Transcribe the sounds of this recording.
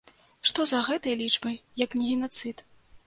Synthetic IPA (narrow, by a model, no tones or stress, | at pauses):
ʂt̪ɔzɐɣɛt̪ɐjɐlʲit͡ʂbɐjjɐknʲiɣʲinat̪sɨt̪